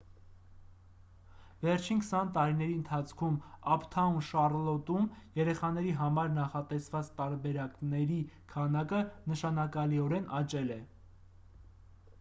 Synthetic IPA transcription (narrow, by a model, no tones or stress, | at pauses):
vɛrt͡ʃʰinkʰə̥sɑnt̪ɑɾinɛɾiənt̪ʰɑt͡sʰkʰumɑpʰt̪ʰɑunʃɑrlɔt̪umjɛɾɛχɑnɛɾiɦɑmɑɾnɑχɑt̪ɛsvɑt͡st̪ɑɾbɛɾɑknɛɾikʰɑnɑkənəʃɑnɑkɑliɔɾɛnʔɑt͡ʃɛlɛ